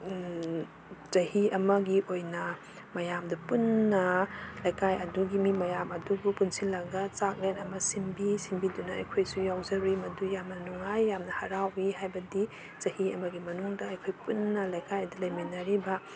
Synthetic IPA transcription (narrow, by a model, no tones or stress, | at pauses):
t͡ʃɐhiɐmɐɡiʔojnɐ | mɐjamdɐpunːɐlɐjkajɐduɡimimɐjamɐdubupunsilaɡɐt͡ʃak̚lenɐmɐsimbisimbidunɐɐ̰jkʰojsujawzɐɾimɐdujamnɐnuŋajːamnɐhɐɾawiɦajbɐdi | t͡ʃɐhiɐmɐɡimɐnuŋdɐːjkʰojpunːɐlɐjkajɐdɐlɐjminːɐɾibɐ